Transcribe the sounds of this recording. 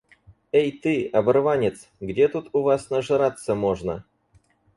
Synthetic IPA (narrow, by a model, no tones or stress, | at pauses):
ejt̪ɨɐbɐrvanʲɪt̪s | ɡdʲet̪ut̪ʊvasnəʐɨɾat̪sːəmoʐnə̰